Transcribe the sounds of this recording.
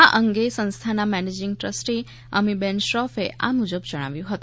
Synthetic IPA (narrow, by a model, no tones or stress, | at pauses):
aʔəŋɡesə̃nst̪ʰanamɛned͡ʒɪŋɡ̚ʈɾəsʈi | əmibɛnʃɾɔfeʔa̰mud͡ʒəbd͡ʒəɽ̃a̰ʋjũɦət̪ũ